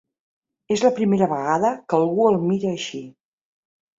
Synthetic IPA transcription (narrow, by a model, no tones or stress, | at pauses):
ezləpɾimeɾəβəɣaðəkəlˠɣuəlˠmiɾəːʃi